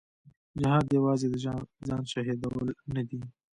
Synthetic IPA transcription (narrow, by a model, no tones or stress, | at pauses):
d͡ʒɪhɑːd̪jawɑːzed̪əzɑːnʃɑɦid̪awəlnad̪i